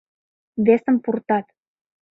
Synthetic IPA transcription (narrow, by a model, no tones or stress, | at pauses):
βesə̆mpurt̪ɑt̪